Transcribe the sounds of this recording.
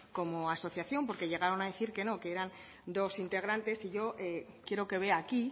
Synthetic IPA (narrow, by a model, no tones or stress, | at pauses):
ko̞mo̞aso̞θjaθjo̞mpo̞ɾke̞ʝe̞ɣ̞aɾo̞naðe̞θiɾke̞no̞keeɾan | d̪o̞sint̪e̞ɣ̞ɾant̪e̞siʝo̞ʔe | kje̞ɾo̞ke̞β̞e̞aki